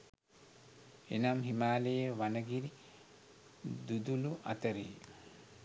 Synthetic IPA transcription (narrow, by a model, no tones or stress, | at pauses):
enamɦimaːlejəʋanəɡiɾi | d̪ud̪uluʔa̰t̪əɾḛː